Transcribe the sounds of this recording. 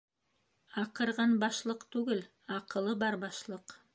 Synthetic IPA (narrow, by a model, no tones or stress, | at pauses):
ɑqɤ̆ɾʁɑnbɑʃlˠɤqt̪ʉɡɘl | ɑqɤ̆lˠɤbɑɾbɑʃlˠɤq